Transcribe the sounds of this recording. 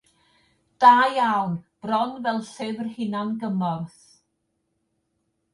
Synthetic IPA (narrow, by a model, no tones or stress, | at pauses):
d̥aːjawnb̥rɔnvɛlˠɬɪvrhɪnanɡəmɔrθ